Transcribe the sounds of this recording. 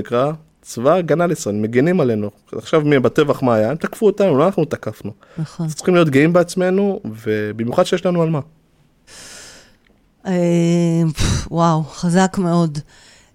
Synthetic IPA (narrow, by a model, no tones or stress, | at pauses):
ikʁa | t͡svaɡanalisʁalimeɡenimale̞nu | aχʃavmibat̪e̞vaχmaːjaemt̪akfuot̪anuloanaχnut̪akafnu | naχont̪t͡sːʁi̥χimlio̞t̪̚ɡeimbeat͡sme̞nuve̞bimjuχad̥ʃejeʃlanualma | e | wawχazakme̞o̞d